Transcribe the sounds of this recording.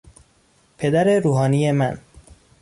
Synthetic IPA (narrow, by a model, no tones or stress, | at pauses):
pʰe̞d̪æɾeɾuːɦɒːnijemæn